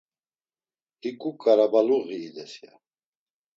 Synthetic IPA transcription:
hikʼukʼaɾabaluɣiːd̪ɛsia̰

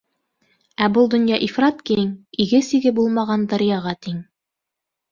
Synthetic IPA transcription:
æbɤlˠd̪ŏnjɑʔifrɑt̪kiŋiɡɘsiɡɘbulˠmɑʁɑnd̪ɑɾjɑʁɑt̪iŋ

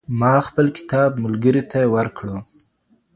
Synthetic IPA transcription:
mɑxpəlkɪ̥t̪ɑbmʊlɡəɾit̪aewaɾkɽu

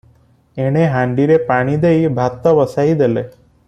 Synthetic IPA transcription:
eɽ̃eɦaɳɖiɾepaɽ̃id̪ejbʱat̪ːəʋəsaid̪ele

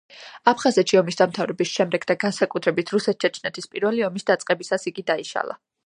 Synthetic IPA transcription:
apʰχazɛt̪ʃiɔmisd̪amt̪ʰavɾɛbisʃɛmd̪ɛɡd̪aɡansakʼut̪ʰɾɛbit̪ʰɾusɛt̪̚ʰt͡ʃʰɛt͡ʃʰnɛt̪ʰispʼiɾvɛliɔmisd̪at̪sʼqʼɛbisasiɡid̪aiʃa̰lˠa̰

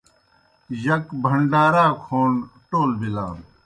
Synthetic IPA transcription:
jɐkbʱɐɳɖaːɾaːkʰoːnʈoːlbilaːn

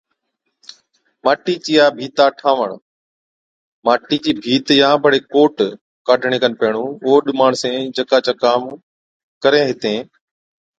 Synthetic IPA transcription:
maːʈiːt͡ʃiːaːbʱiːt̪aːʈʰaːʋə̰ɳ | maːʈiːd͡ʑiːbʱiːt̪jãːbʱəɽeːkoːʈ | kaːɖʱɳɪkənpɛːɳ̃ũːʊoːɗɪmaːɳsẽːd͡ʒəkaːt͡ɕaːkaːm | kəɾẽːɦɪt̪ẽː

